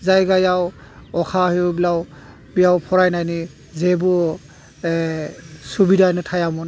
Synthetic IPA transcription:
zajɡajaw | ɔkʰahijubilaw | bijawpʰɔɾajnajni | zebu | subidanɯtʰajamɔn

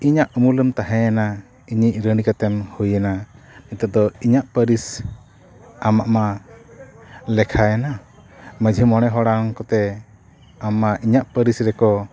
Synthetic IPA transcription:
iɲaʔmuləmt̪aɦɛ̃ana | iɲiʔɾəɽikat̪ɛmhujɛnanɛt̪ad̪ɔiɲaʔpəɾis | amaʔma | lɛkʰaana | məd͡ʒʱimɔɽ̃ɛɦɔɽaŋkɔt̪ɛ | amaʔiɲaʔpəɾisɾɛkɔ

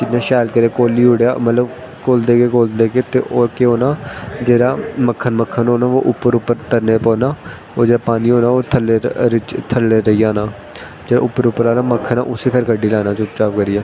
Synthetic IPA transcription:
d͡ʒɪnːãːʃaːlkəɾeːkoːliːɦʊɽjaːmət̪ləb | koːld̪eːɡeːkoːld̪eːɡeːt̪eːʔoːkeoːnaːd͡ʒeːɾaːməkʰːənməkʰːənɦoːnaːo̰ːʔʊpːəɾʊpːəɾt̪əɾneːpɔːnaː | oːd͡ʒeːɾaːpaːniːɦoːnãːoːt̪ʰəlːeːɾɪt͡ʃt̪ʰəlːeːɾəiːaːnãː | d͡ʒeːaːʊpːəɾʊpːəɾaːnaːməkʰːənã̰ːʔʊsiːpʰeːɾɡəɖːiːlaːnãːt͡ʃʊpt͡ʃaːpkəɾiːjaː

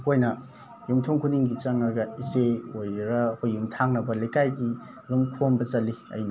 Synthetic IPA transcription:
hojnɐ | jumtʰoŋkʰuniŋɡit͡ʃɐŋɐɡɐiseojɾɐhojːumtʰaŋnɐbɐlekajɡi | ɾumkʰombɐt͡ʃɐliɐ̰jnɐ

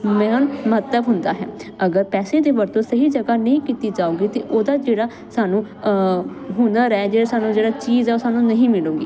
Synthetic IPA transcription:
mɛ̃ːnməət̪əbɦʊnd̪aːɦɛ̰ːəɡəɾpɛːseːd̪eːʋəɾt̪õːsəɦiːd͡ʒəɡaːnəĩːkiːt̪iːd͡ʒaːõːɡiːt̪eːʔoːd̪aːd͡ʒeːɽaː | saːnũː | ɦʊ̃nd̪aːɾɛɛd͡ʒeːɽaːsaːnũːd͡ʒeːɽaːt͡ʃiːzɛːoːsaːnũːnəɦĩːmɪlõːɡiː

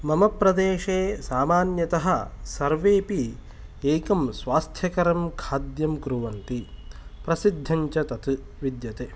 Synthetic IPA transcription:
mɐmɐpɾɐd̪eːʃeːsaːmaːnjɐt̪ɐɦɐ̆sɐɾʋeːpi | eːkɐmsʋaːst̪ʰjɐkɐɾɐmkʰaːd̪jɐmkɾuʋɐnt̪ipɾɐsid̪ʱːɐɲt͡ʃɐt̪ɐt̪ɨ | ʋid̪jɐt̪eː

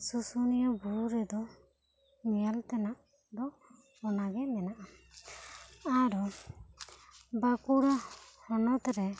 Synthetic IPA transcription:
susunijabuɾɛd̪ɔ | mijalt̪ɛnaʔ | d̪ɔ | ɔnaɡɛmɛnaʔa | aɾɔ | bakuɽahɔnɔt̪ɾɛ

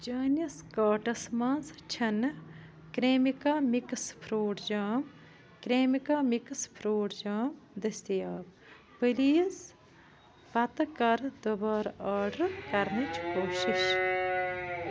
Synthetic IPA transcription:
d͡ʒaːnjɐskaːʈɐsmãːnst͡ʃʰɐn | kɾeːmikaːmikspʰɾuːʈd͡ʒaːm | kɾeːmikaːmikspʰɾuːʈd͡ʒaːmd̪ɐst̪ijaːb | pəliːs | pɐt̪ɐkɐɾd̪obɐːɾaːɾɖɐɾkɐɾnit͡ʃkoːʃiʃ

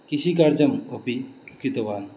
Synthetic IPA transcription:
kiʃikaɾd͡ʒɐmopikit̪ɐʋaːn

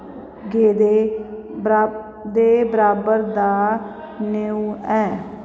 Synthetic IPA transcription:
ɡeːd̪e | d̪eːbəɾaːbəɾd̪aː | neːũːɛː

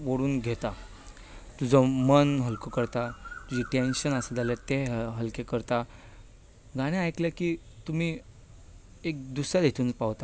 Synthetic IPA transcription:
ʋoɽuːnɡʱet̪a | t̪ud͡zɔmənɦəlkokəɾt̪at̪ud͡ʑiʈenɕənəsəd͡zalat̪eɦəlkekəɾt̪a | ɡaɽ̃ẽajkljakiː | t̪um̤iː | ek̚d̪usad̪ʱet̪ʰuːnpaʋt̪a

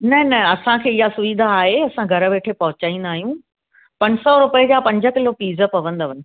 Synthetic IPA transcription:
nɐnɐɐsãkʰeːɪɦasʊʋid̪ʱaːɦeɐsãɡʱɐɾə̆ʋeːʈʰepɐɦʊt͡ɕaːĩn̆d̪aːɦijũ | pɐ̃ɲsɔɾʊpɪed͡ʑapɐ̃ɲd͡ʑə̆kɪlopiːzə̆pɐʋə̃n̆d̪ɐʋən

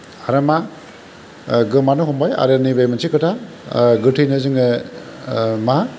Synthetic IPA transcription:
aɾɐma | ɡɯmanuɦɔmbaja̰ɾɯnibajmansʰikɯtʰa | ɡɯtʰijnɯzɯŋɯ | ma

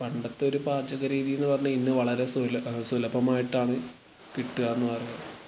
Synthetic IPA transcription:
pɐɳɖɐt̪ːe̞o̞ɾupaːrd͡ʑɐɣɐɾiːðijunːɨpɐrɐɲːɐinːɨʋɐɭɐɾe̞sulsulɐbɐmaːjiʈːaːɳɨ | kiʈːuɣaːenːɨpɐrɐːɐðɨ

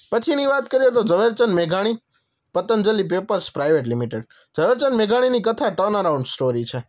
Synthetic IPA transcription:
pət͡ʃʰiniʋat̪kəɾiet̪od͡ʒəʋeɾt͡ʃənmeɡʱaɽ̃i | pət̪ənd͡ʒəlip̬epəɾspɾajʋeʈlimiʈeɖ | d͡ʒəʋeɾt͡ʃənmeɡʱaɽ̃inikət̪ʰaʈəɾnəɾauɳɖsʈoɾit͡ʃʰe

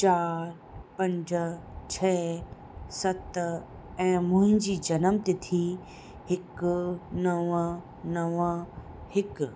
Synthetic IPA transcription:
t͡ɕaːɾ | pɐ̃ɲd͡ʑt͡ɕʰɛː | sɐt̪ | ɛ̃ːmʊ̃ɦɪ̃ɲd͡ʑiːd͡ʑɐnəmt̪ɪt̪ʰi | hɪknɐʋə | nɐʋə | hɪk

